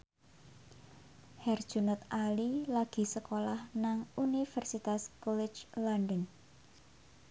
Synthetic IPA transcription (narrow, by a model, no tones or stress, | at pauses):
hɛrd̥ʒ̥ṳnət̪̚alilaɡ̥i̤səkolahnaŋunifɛrsit̪askɔlɛ̥d͡ʒlanɖən